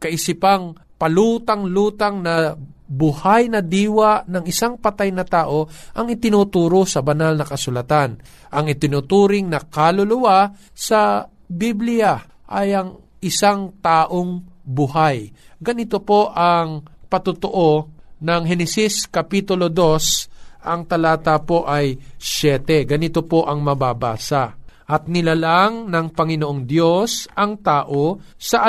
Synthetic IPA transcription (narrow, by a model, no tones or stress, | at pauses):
kɐʔɪsɪpɐŋ | pɐluːt̪aŋluːt̪aŋnɐbʊhajnɐd̪iːwanɐŋɪsaŋpɐt̪ajnɐt̪aːʔo̞ʔɐŋɪt̪ɪnut̪uːɾosɐbɐnalnɐkɐsʊlɐt̪an | ʔɐŋɪt̪ɪnut̪uːɾɪŋnɐkalʊlʊwa | sɐ | biblɪja | ʔɐjɐŋ | ʔɪsaŋt̪aːʔoŋbʊɦajɡɐnɪt̪o̞po̞ʔɐŋpɐt̪ʊt̪oʔo̞nɐŋɦɛnɛsiskɐpiːt̪ʊlo̞d̪o̞sʔɐŋt̪ɐlaːt̪apo̞ʔɐjʃjɛːt̪ɛɡɐnɪt̪o̞po̞ʔɐŋmɐbaba̰ːsaʔʔɐt̪̚nɪlalaŋnɐŋpɐŋɪnoʔoŋd̪jo̞sɐŋt̪aːʔo | sɐʔ